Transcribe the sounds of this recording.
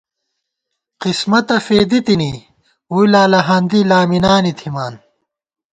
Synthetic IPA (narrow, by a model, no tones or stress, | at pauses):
qismɐt̪ɐfeːd̪it̪ini | wuilaːlɐɦɐnd̪ilaːminaːnit̪ʰimaːn